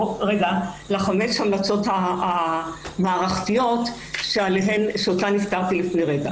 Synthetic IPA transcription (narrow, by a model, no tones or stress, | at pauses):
ʁeɡa | laχamet͡shamlat͡so̞tha | maːʁaχtijo̞t | ʃealeɦenʃeotaniftaʁt̪ilifneʁeɡa